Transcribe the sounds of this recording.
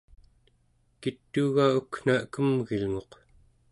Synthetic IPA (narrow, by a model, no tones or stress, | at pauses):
kit̪ːuɣaukn̥aəkəmɣilŋo̞q